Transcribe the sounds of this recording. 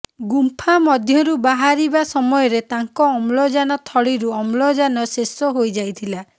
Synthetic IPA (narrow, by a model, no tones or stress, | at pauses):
ɡumpʰamɔd̪ʱjɔɾubaɦaɾibasɔmɔjɔɾet̪aŋkɔːmlɔd͡ʒanɔt̪ʰɔɭiɾuɔmlɔd͡ʒanɔsesɔɦojd͡ʒajt̪ʰila